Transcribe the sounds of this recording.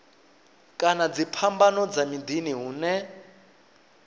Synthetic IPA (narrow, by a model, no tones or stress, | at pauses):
kʼanad͡zipʰambanɔd͡zamid̪iniɦuːnɛ